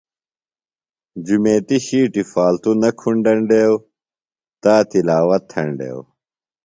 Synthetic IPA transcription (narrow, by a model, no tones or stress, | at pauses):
d͡ʑumeːt̪iɕiːʈifaːlt̪unɐkʰuɳɖɐɳɖeːw | t̪aːt̪ilaːwɐt̪ʰːɐɳɖḛːw